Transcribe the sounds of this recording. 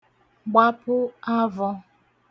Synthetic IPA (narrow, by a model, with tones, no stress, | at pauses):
ɡ͡ba˦pʊ˦a˦vɔ˦